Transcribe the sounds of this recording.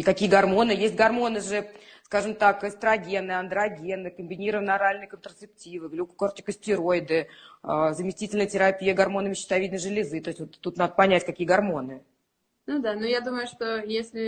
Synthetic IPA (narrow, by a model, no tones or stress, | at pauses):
ikɐkʲijəɡɐrmo̞nɨjesʲt̚ʲɡɐrmo̞nɨʐɨskaʐɨmt̪akəst̪ɾəɐɡʲe̞nːɨjɐnd̪ɾɐɡʲe̞nːɨkəmʲbʲɪnʲiɾəvənɐɾalʲnɨjkənt̪ɾət̪sɨp̚tʲivɨvlʲukʊ̥kort̪ʲɪ̥kəsʲtʲɪɾojɪd̪ɨəzəmʲɪsʲtʲitʲɪlʲnəjtʲɪɾɐpʲijəɡɐrmo̞nɨmʲɪɕːɪ̥t̪ɐvʲid̪nəʐɨlʲɪzɨt̪o̞sʲtʲvot̪ːut̪nad̪əpɐnʲætʲkɐkʲijəɡɐrmo̞nɨ | nud̪anujad̪uməjʊʂt̪ojesʲlʲɪ